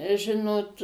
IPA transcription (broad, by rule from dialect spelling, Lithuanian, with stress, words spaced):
ˈʒʲɪnoːt